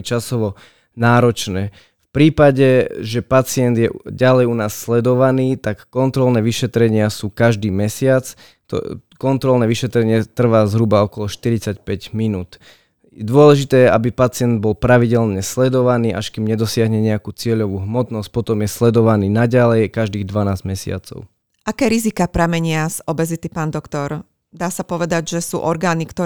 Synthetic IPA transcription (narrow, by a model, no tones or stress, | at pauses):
t͡ʃasɔʋɔ | naːɾɔt͡ʃnɛː | fpɾiːpaɟɛʒɛpat͡sɪɛnd̪jɛ̰ɟalɛjunaːsːlɛd̪ɔʋaniːt̪akːɔnt̪ɾɔlnɛːʋiʃɛt̪ɾɛɲɪasuːkaʒd̪iːmɛsɪat͡s | t̪ɔ̰ | kɔnt̪ɾɔlnɛːʋiʃɛt̪ɾɛɲɪɛt̪r̩ʋaːzɦɾubaɔkɔlɔʃt̪iɾit͡sacpɛɟminuːt̪ | d̪ʊɔlɛʒit̪ɛːjɛʔabipat͡sɪɛnd̪̚bɔlpɾaʋiɟɛlɲɛslɛd̪ɔʋaniːʔaʃkimɲɛd̪ɔsɪaɦɲɛɲɛakuːt͡sɪɛʎɔʋuːɦmɔt̪nɔsc̚pɔt̪ɔmjɛslɛd̪ɔʋaniːnaɟalɛjkaʒd̪iːɣd̪ʋanaːzɟmɛsɪa̰t͡sɔ̰ʊ | ʔakɛːɾizikapɾamɛɲɪaz̥ɔbɛzit̪ipaːnd̪ɔkt̪ɔɾ | d̪aːsapɔʋɛd̪aɟʒɛsṵːʔɔɾɡaːnikt̪ɔ